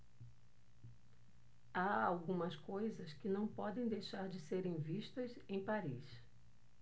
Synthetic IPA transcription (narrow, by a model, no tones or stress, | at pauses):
aawɡũmɐskojzɐskɪnɐ̃w̃pɔd̪ẽj̃d̪ejʃaɾd͡ʒɪseɾẽj̃viʃt̪ɐz | ẽj̃paɾis